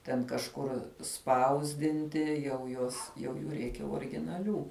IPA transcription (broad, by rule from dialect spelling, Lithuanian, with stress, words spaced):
tʲɛn kɐʃˈkʊr ˈspɐʊzʲdʲɪnʲtʲɪ jɛʊ ˈjuɔs jɛʊ ˈjuː ˈrʲɛɪkʲɛ oːrʲɪɡʲɪnɐˈlʲuː